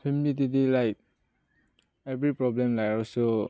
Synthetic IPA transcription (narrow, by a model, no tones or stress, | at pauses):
pʰimilit̬itilajk̚ | ebɾipɾɔblemlajɔlso